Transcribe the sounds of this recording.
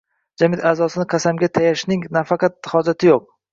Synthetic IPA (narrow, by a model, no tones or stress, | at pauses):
d͡ʒamɪt̪aːzɒsɪnɪqʰɑsamɡʲat̪ʰajaʃnɪŋnafɑqʰɑt̪hɒd͡ʒat̪ʰɪjoq̚